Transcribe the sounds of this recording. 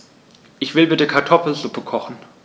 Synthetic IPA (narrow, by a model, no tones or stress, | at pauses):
ʔɪçv̥ɪlbɪtəkʰaɐtʰɔfl̩zʊpəkʰɔχn̩